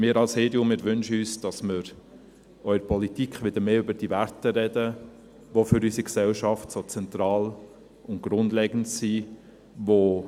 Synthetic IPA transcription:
mɪːɾɑlsheːdjʊmɪːɾʋʏnʃəyːsd̥ɑsmɪɾ | œʏəɾpʰɔlitikχʋɪd̥̪əɾmeːʏbəɾd̥ivæɾtəɾɛdə | ʋofʏɾysiksɛlʃɑftsot͡sɛnt̪ɾɑːl | ʊnt̚ɡ̥ɾʊndleɡən̩tsi | ʋo

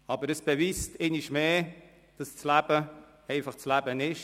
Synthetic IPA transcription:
ɑːbəɾəsb̥eviːstʰɛniʃmeː | d̥ɑst͡slæb̥ə | ɛɪfɑχt͡slæbənɪʃ

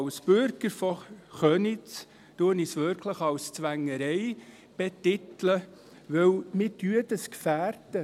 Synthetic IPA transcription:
lsb̥øɾɡəɾfɔχœnɪ | tuənisʋʏɾkʰləχɑlst͡sʋæŋːəɾɛj | b̥ɛt̪ɪt̪lə | ʋɵwmɪtyədəskfæːɾdə

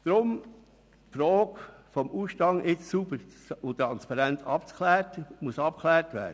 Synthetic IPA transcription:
d̥ɾʊm | fɾɔːkfɔmuːʃtɑŋʔɪt͡ssubəɾ | ʊt̪ɾɑnspɑɾæntɑp̚t͡skʰlæːɾtmuəsɑp̚klæːɾtʋæ̰ːdə

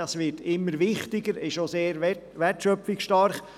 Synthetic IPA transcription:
ɑsʋɪtɪmːəɾʋɪχtɪɡəɾɪʃoseːɾ | ʋɛtʃœfɪkʃtɑrχ

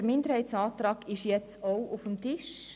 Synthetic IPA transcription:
əɾmɪndəɾhɛɪtsɑːtrɑːkɪʃjɛt͡soʊʔʊfəm̩tɪʃ

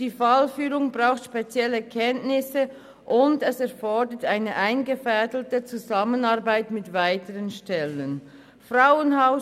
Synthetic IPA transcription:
d̥iːfalfyːʁʊŋbʁaʊxtʃpet͡sjɛlːəkʰɛntnɪsə | ʔʊndɛsɛɐfɔdətaɪnəʔaɪnɡəfɛdəl̩tət͡suzamənɑɐbaɪtmɪtvaɪtəʁənʃtɛlən | fʁaʊənhaʊ

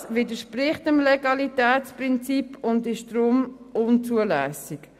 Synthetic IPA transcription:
sʋɪdəʃpɾɪχtəmlɛɡɑlitɛːt͡spɾɪnt͡sipʰʊndɪʃd̥ɾʊm | ʊnt͡suəlɛːsɪk

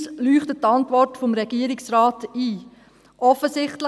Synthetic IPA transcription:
slyːχtəttɑntʋɔrtfomɾɛɡiːəɾɪksɾaːtiː | ʔɔfəsɪχtl

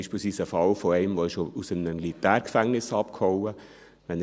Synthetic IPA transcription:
ʃplˠsʋiːsəfɑlfoɛɪmʋoɪʃousəmnəmilitæːɾkfæŋnɪsɑpkʰhɔwə | ʋɛn

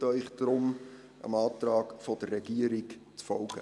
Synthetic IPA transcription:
tœʏχd̥ɾʊm | ʔə̰mɑːtrɑːkfɔdərːɛɡiəɾɪkt͡sfɔlɡ̥ə

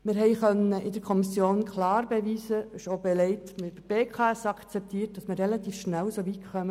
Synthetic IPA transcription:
mɪɾɦɛɪχœnːəʔɪdəɾkʰɔmisjoːnkʰlɑːɾbɛʋiːzəʃobɛlɛɪtmɪb̥əb̥eːkʰɑɛsɑkt͡sɛp̚t̪iːt̚d̥ɑsmɪɾrɛlɑt̪iːfʃnælsoʋitχœmə

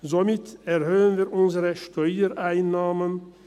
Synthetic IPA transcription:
zomɪtɛʁhøːənviːɾʔʊnzəʁəʃtʰɔʏəɾʔaɪnːaːmən

